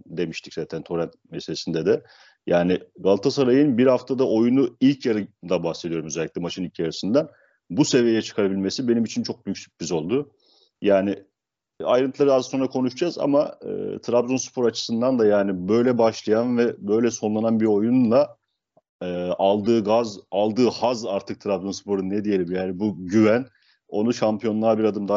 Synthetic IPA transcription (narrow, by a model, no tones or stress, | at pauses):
d̪e̞miʃt̪ʰi̥czaːt̪ʰænt̪ʰo̞ɾænt̪meselʲesind̪ɛd̪ɛ | jaːnɪɡalˠt̪ʰasaɾajɯnbiɾhaft̪ʰad̪aʔo̞junuilʲcʰjaɾɯd̪abahse̞d̪ijo̞ɾumøzeɛlʲːict̪ɛmat͡ʃʰɯnilʲcʰjaɾɯsɯnd̪an | buse̞vijejɛt͡ʃʰɯ̥kʰaɾabilʲme̞sibe̞nimit͡ʃʰint͡ʃʰo̞k̚bycsy̥c̚bʰizo̞lˠd̪ʊ | jaːnɪ | ajɾɯnt̪ʰlˠaɾɯazso̞nɾakʰo̞nuʃd͡ʒaza̰maɯ̰t̪ʰɯɾabzonspʰo̞ɾat͡ʃʰɯ̥sɯnd̪and̪ajaːnibø̞jlʲɛbaʃlˠajanvɛbø̞jlʲɛso̞nlˠananbiɾo̞junlˠa | ɯːʔalˠd̪ɯːɡazalˠd̪ɯːhazaɾt̪ʰɯk̚t̪ʰɾabzonspʰo̞ɾunːɛd̪ije̞imjaːnibuɟyvæn | o̞nuʃampʰijo̞nlˠaɾbiɾad̪ɯmd̪a